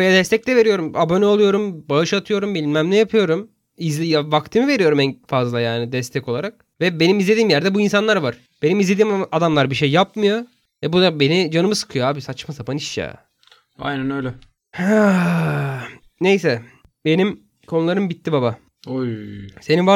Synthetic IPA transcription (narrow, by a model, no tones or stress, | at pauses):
bejad̪ɛst̪ʰɛc̚lʲɛve̞ɾijo̞ɾumabo̞nɛolˠujo̞ɾumbaɯʃat̪ʰɯjo̞ɾumbilʲinmæmlʲɛjapʰɯjo̞ɾum | izlʲjavakt̪ʰɯmɯve̞ɾijo̞ɾumɛnfazlˠajaːnid̪ɛst̪ʰɛkolˠaɾak̚ | vɛbe̞nimizled̪iːmjæɾd̪ɛbuins̬anlˠaɾvaɾ̥ | b̥e̞nimizlʲe̞d̪iːmad̪amlˠaɾbiʃejːapmɯjo̞ | vɛbud̪abe̞nid͡ʒanɯmɯsɯ̥kʰɯjoaːbisat͡ʃmasapaniʃja̰ː | a̰jnænøjlʲɛ | ha | ne̞jsɛ | be̞nim | kʰo̞nulˠaɾɯmbit̪ʰːibaba | oseninva